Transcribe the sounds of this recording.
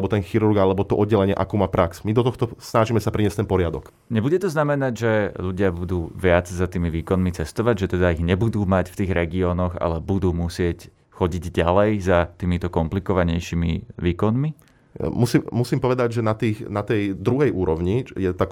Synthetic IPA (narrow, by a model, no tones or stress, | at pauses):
bɔt̪ɛnxiɾuɾɡalɛbɔt̪ɔʔɔd̪̚ɟɛlɛɲɪɛ̰ʔakuːmaːpɾʔaksmid̪ɔt̪ɔxt̪ɔsnaʒimɛsapɾiɲɪɛst̪ɛnpɔɾɪad̪ɔk | ɲɛbuɟɛt̪ɔznamɛnaɟʒɛʎuɟɪabud̪uːʋɪad͡zzat̪iːmiʋiːkɔnmit͡sɛst̪ɔʋaɟʒɛt̪ɛd̪aiɣɲɛbud̪uːmacft̪iːɣɾɛɡiɔːnɔɣa̰lɛbud̪uːmusɪɛc | xɔɟiɟɟalɛjzat̪iːmit̪ɔkɔmplikɔʋaɲɛjʃimḭʋiːkɔnmi | musimusiːmpɔʋɛd̪aɟʒɛnat̪iːxnat̪ɛjd̪ɾuɦɛjuːɾɔʋɲijɛt̪ak